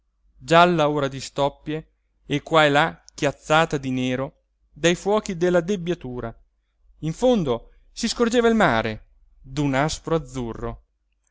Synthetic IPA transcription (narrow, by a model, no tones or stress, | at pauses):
d͡ʒalːaoːɾad̪ist̪ɔpːjeː | kːwaelakjat̪sːaːt̪ad̪ineːɾo | d̪ajfwɔːk̟id̪elːad̪ebːjat̪uːɾa | iɱfond̪o | siskord͡ʒeːvailmaːɾe | d̪unaspɾoad̪zːurːo̰